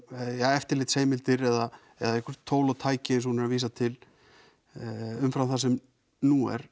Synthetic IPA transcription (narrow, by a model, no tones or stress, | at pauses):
jaɛft̪ɪɾlɪːt̪seːjmɪlt̪ɪɾɛða | ɛ̰ðaɛhkʰʏɾ̥t̪ʰːoːwlat̪ʰaːjcɪɪsunɪɾaviːsat̪ʰɪl | ʏmfɾamθasɛm | nuɛ̰ɾ̥